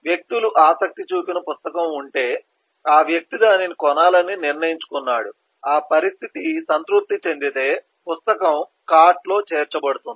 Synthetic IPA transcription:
ʋjɐk̚t̪uluʔaːsɐk̚t̪it͡ʃuːpinɐpust̪ɐkɐmuɳʈe̞ː | aːʋjɐk̚t̪id̪aːninikɔnaːlɐnːiniɾnɐjiɲt͡ʃu̥kunːaːɽu | aːpɐɾist̪ʰit̪isɐnt̪ɾup̚t̪ːit͡ʃe̞nd̪it̪e̞ː | pust̪ɐkɐm | kaːʈlo̞ːt͡ʃeːɾt͡ʃɐbɐɽut̪und̪i

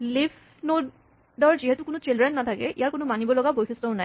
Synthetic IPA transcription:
lif | no | dɔɹziɦɛtukʊnʊt͡ʃildɹɛnːat̪ʰakɛʔḭjaɹkʊnʊmanibɔlɔɡabojsestɔʊnaj

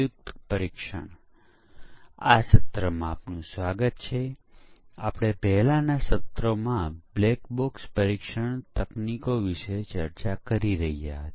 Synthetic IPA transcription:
ʊk̚t̪pəɾikʃə̰ɳ̃ | asət̪ɾəmãapnũsʋaɡət̪t͡ʃʰe | a̰pɽ̃epɛɦlãnasət̪ɾomãblekbokspəɾikʃəɳ̃t̪əknikoʋiʃet͡ʃəɾt͡ʃakəɾiɾəɦijaɦət̪i̥

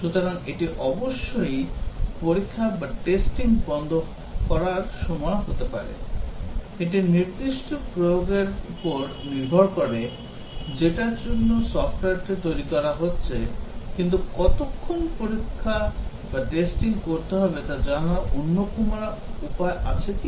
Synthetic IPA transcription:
ʃut̪ɔɾɔŋeʈiʔɔboʃːojpoɾikʰːabaʈesʈiŋbɔnd̪ʱo | kɔɾaɾʃɔmɔjɦot̪epa̰ɾḛ | eʈ̬iniɾd̪iʃʈɔpɾojoɡeɾupɔɾ | niɾbʱɔɾkɔɾe | d͡ʑeʈad͡ʑonːosɔfʰʈoaɾʈ̪et̪ojɾikɔɾaɦotːɕʰekint̪ukɔt̪okʰːonpoɾikʰːa | baʈesʈiŋkoɾt̪eɦɔbet̪ad͡ʑanaʔonːokumaupaeʔa̰t͡ɕʰeki

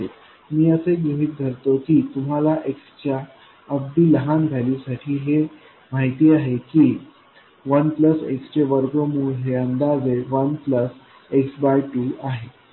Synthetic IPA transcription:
e | miːəseɡɾuɦiːt̪̚d̪ʱəɾt̪okiːt̪um̤alaʔekst͡ɕa | əb̚d̪iːləɦanɡʱalisaʈʰiːɦe | maɦit̪iːaɦekiː | ʋənpləsḛkst͡ɕeʋəɾɡomuːlɦeənd̪ad͡zeʋənpləs | eksbajʈuːaɦe

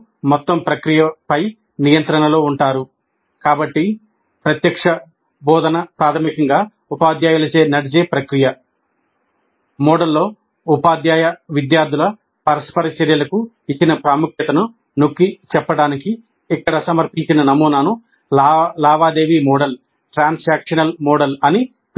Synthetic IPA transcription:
mɔt̪ːɐmpɾɐkɾijɐpɐj | nijɐnt̪ɾɐnɐlo̞ːuɳʈaːɾu | kaːbɐʈːi | pɾɐt̪jɐkʂɐ | bɔːd̪ɐnɐpɾaːt̪ʰɐmikɐŋɡaː | upaːd̪jaːjɐlɐt͡ʃe̞ːnɐɽid͡ʒeːpɾɐkɾijɐ | mɔːɖɐlːo̞ː | upaːd̪jaːjɐʋid̪jaːɾd̪ʱulɐ | pɐɾɐspɐɾɐt͡ʃɐɾjɐlɐku | it͡ʃːinɐpɾaːmukʰjɐt̪ɐnu | nokːit͡ʃɛpːɐɽaːniki | ikːɐɽɐsɐmɐɾpiɲt͡ʃinɐnɐmuːnaːnu | laːʋaːd̪e̞ːʋimɔːɽɐl | ʈɾaːnsaːkʂɐnɐlmɔːɖɐlɐni

